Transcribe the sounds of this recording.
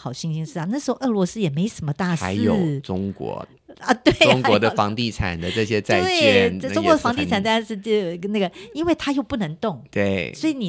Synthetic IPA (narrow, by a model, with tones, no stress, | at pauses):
ɑ˨˩ʊɕi˥˧ŋɕi˧˥ŋʂɻ̩˥˩ɐ˨˩na˥˩ʂɻ̩˧˥xo˥˧ʊʔɤ˥˩lwɔ˧˥sɹ̩˥jɛ˨˩me˧˥ɪʂə˧˥nmə˧˦t̪a˥˩˧ʂa̰˧˦ɪjo˨˩˥ʊʈ͡ʂʊ˥ŋkwɔ̰˧˥˧ | t̪we˥˩ɪʊ˥ŋkwɔ˧˦d̪ə˧fɑ̰˧˥ŋt̪i˥˩ʈ͡ʂʰa̰˨˩nd̪ə˦ʈ͡ʂɤ˥˩ɕ̬jɛ˦t͡sa˥˧ɪwe˥˩ɪɛ˥˧ʈ͡ʂʊ˥ŋkwɔ˧˥ə˧fɑ˧˥ŋt̪i˥˩ʈ͡ʂʰa˨˩nt̪ʂɻ̩˥˧t͡ɕo˥˩na˥˩ɡə˩i˥nwe˥˩ɪt̪ʰa˥jo˥˧ʊpu˥˩nɤ˧˥ŋt̪ʊ˥˩ŋt̪we˥˩ɪswɔ˧˥i˨˧˥ni˨˩